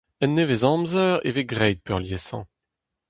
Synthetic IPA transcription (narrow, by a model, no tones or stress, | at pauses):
ɛnːevezɑ̃mzœʁḛveɡʁɛjd̪̚pœʁljesɑ̰̃